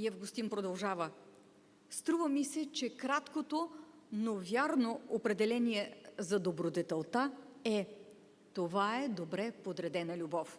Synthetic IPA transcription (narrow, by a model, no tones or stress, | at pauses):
iɛvɡʊst̪inpɾod̪ɐlˠʒavə | st̪ɾuvəmisɛt͡ʃɛkɾat̪kot̪o | novʲjaɾnoopɾɛd̪ɛlɛniɛzɐd̪obɾod̪ɛt̪ɛlˠt̪aɛ | t̪ovaɛd̪obɾɛpod̪ɾɛd̪ɛnəlʲubɔf